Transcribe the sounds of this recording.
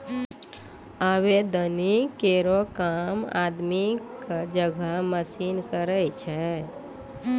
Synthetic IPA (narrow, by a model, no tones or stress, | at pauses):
aʋed̪ənikeɾokama̰ːd̪mikad͡ʒəɡʱəməsinkəɾət͡ʃʰɛ